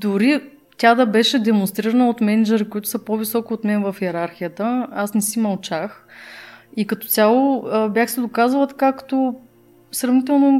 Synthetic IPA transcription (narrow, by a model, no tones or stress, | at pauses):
d̪ʊɾi | t̪ʲad̪ɐbɛʃɛd̪ɛmonst̪ɾiɾənəot̪mɛnɛd͡ʒɛɾikʊit̪ʊ̥sɐpovisɔkʊːt̪mɛnvəfiɛɾaɾxijət̪əasnɛsimɐlˠt͡ʃax | ikɐt̪ɔ̥t̪sʲjalˠoəbʲjaxsɛd̪okazvəlˠt̪ɐ̥kakt̪o | sɾɐvnit̪ɛlˠno